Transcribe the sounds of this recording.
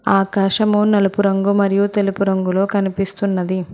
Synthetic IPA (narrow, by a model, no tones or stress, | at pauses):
aːkaːʂɐmunɐlɐpuɾɐŋɡumɐɾijut̪e̞lupuɾɐŋɡulo̞ːkɐnipist̪unːɐd̪i